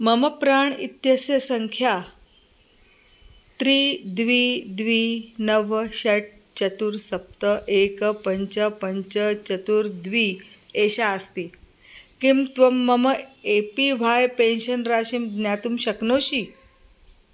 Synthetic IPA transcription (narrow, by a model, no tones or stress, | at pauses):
məməpɾaɳḭt̪jəsjəsəŋkʰja | t̪ɾiːd̪ʋid̪ʋiːnəʋɕəʈ̚ | t͡ɕət̪uɾsɐp̚t̪əʔekəpəɲt͡ɕəpəɲt͡ɕət͡ɕət̪uɾd̪ʋiːeɕaəst̪iː | kimt̪ʋəmːəməepiʋ̤ʱajpenɕənɾaːɕimd̪njat̪umɕɐknoːɕiː